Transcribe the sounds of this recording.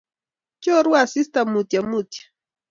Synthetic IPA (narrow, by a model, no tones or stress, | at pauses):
t͡ʃoɾwasist̪amʊt̪jamʊt̪jḁ